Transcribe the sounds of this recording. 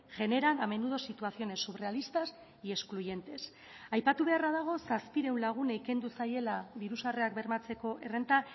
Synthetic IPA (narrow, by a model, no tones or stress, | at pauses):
ʝe̞ne̞ɾaname̞nuð̞o̞sit̪uaθio̞ne̞sːuβre̞alist̪as | ie̞skluje̞nt̪e̞s | ajpat̪uβe̞araðaɣ̞o̞saspiɾe̞wnlaɣ̞uneike̞nd̪usaje̞laβiɾusareak̚be̞rmat͡se̞ko̞ʔe̞re̞nt̪a